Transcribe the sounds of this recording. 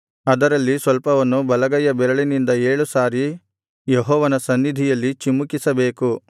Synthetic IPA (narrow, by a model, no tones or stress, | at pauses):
ɐd̪ɐɾɐlːisʋɐlpɐʋɐnːubɐlɐɡɐjɐbɛɾɐɭinind̪ɐeːɭusaːɾi | jeɦɔːʋɐnɐsɐnːid̪ʱijɐlːit͡ʃimːukisɐbe̞ːku